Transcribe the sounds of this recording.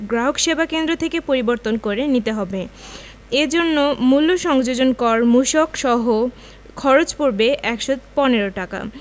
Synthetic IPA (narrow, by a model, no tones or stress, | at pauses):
ɡɾaɦokʃebʱakend̪ɾot̪ʰekepoɾiboɾt̪onkoɾenit̪eɦɔbe | ed͡ʑonːomulːoʃɔŋd͡ʑod͡ʑonkɔɾmuʃokʃɔɦo | kʰɔɾot͡ɕpoɾbeʔɛkʃopɔneɾoʈaka̰